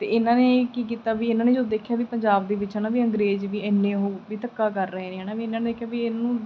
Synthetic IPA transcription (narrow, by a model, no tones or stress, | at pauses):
t̪ḛːɪnãːneːkiːk̬iːt̪aːʋiːɪnaːneːd͡ʒoːd̪eːkʰjaːʋiːpəɲd͡ʒaːb̚d̪eːʋɪt͡ʃɦəːnaːʋiːə̃ŋɡɾeːd͡ʒʋiːɛːnːẽːɦoːʋiːt̪əkːaːkəɾːəɦeːneːɦɛːnaːʋiːɪnãːneːd̪eːkʰjaːʋiːɪnãːnũː